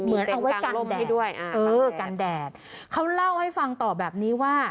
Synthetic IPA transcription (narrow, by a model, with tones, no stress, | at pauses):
mɯ˩˦ənʔa˧wa˦˥jka˧ldɛː˥˩du˥˩əjʔɤː˧ka˧ndɛː˨˩t̪̚kʰa˦˥wla˥˩wha˥˩jfa˧ŋt̪ɔː˨˩bɛː˨˩p̚niː˦˥waː˥˩